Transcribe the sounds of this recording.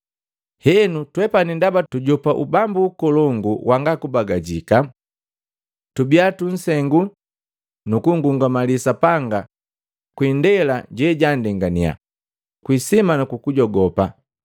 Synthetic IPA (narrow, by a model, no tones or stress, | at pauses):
hɛnutwɛpanindabatuɟɔpaʔubambuːkɔlɔŋɡuwʔaŋɡakubaɡaɟika | tubiatun̩sɛŋɡu | nukuŋɡuŋɡamalisapaŋɡa | kwindɛlaɟɛɟandɛŋɡania̰ | kwisimanukukuɟɔɡɔpa